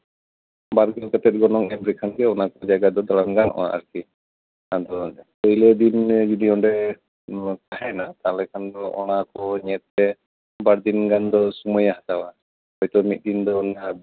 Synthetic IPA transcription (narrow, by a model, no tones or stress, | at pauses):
baɾɡɛnkət̪ɛt̪̚ɡɔnɔŋɛmɾikʰanɡɛɔnakɔd͡ʒaɡad̪ɔd̪alamɡanʔɔ̰wa̰ʔa̰ɾki | ad̪ɔ | ɔjled̪ind͡ʒid̪iɔɳɖɛ | kaɦɛnat̪alɛkʰand̪ɔʔɔnakɔɲɛt̪̚ːɛ | baɾd̪inɡand̪ɔsumɔjaɦat̪awa | ɔjt̪ɔmit̪̚d̪ind̪ɔna